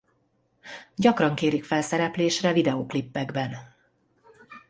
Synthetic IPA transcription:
ɟɒkrɒŋkeːɾikfɛlsɛɾɛpleːʃrɛvid̪ɛoːklipːɛɡbɛn

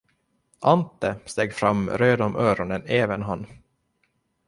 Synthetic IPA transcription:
ʔant̪əst̪eːɡfɾamːɾøːd̪ɔmʔœːɾɔnəneːvənɦanː

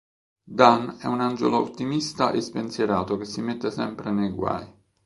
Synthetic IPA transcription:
d̪anɛ̰unand͡ʒḛloo̰t̪ːimist̪aʔespensjeɾaːt̪okesːimet̪ːesɛmpɾenejɡwa̰j

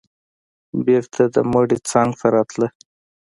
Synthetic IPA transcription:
beɾt̪ʰad̪əmoɖit͡sɑŋɡfaɾɑt̪lə

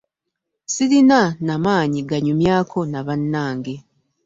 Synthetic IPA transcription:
siɾinanamaːɲiɡaɲumjaːkʰo̞naβanːaːŋɡe̞

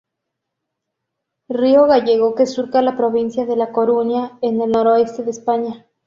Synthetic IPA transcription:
rio̞ɣaʝeɣ̞o̞kesuɾkalapɾoβ̞insjaðe̞lakoɾunjaene̞lnoɾoe̞st̪e̞ðespaɲa

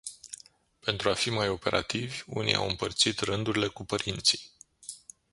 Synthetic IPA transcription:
pe̞nt̪ɾuafimajo̞pe̞ɾʔa̰t̪ivʲṵnḭa̰wɨmpərt̪sit̪rɨnd̪uɾile̞kupəɾint̪si̥j

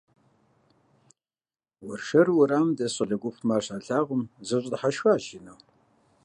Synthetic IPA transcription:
wʊrʂɐrwʊɾaːmdɐɕʼɐɮɐɡʷʊpmaːrɕaːɬaːʁʷʊmzɨɕʷʼdħaʃxʷaːʒɪnɐw

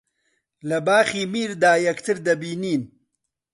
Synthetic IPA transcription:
lɐbaːχiːmiːɾd̪aːjɐkt̪ʰɨɾd̪ɐbiːniːn

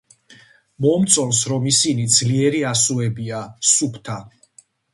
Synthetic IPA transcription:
mɔmt̪sʼɔlsɾɔmisinid̪zliɛɾiasuɛbiasupʰt̪ʰa

